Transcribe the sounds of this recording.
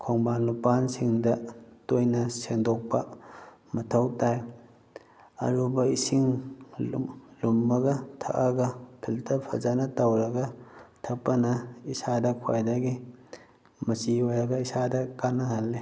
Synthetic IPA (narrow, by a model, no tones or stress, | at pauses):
kʰoŋbanlupansiŋdɐtojnɐsendɔk̚pɐ | mɐtʰɐwtaj | ɐ̰ɾubɐisiŋ | lumːɐɡɐtʰɐ̰kaɡɐpʰiltʰɐpʰɐzanɐtɐwɾɐɡɐtʰɐk̚pːɐnɐisadɐkʰwa̰jdɐɡi | mɐsiojɾɐɡɐisadɐkanːɐhalːe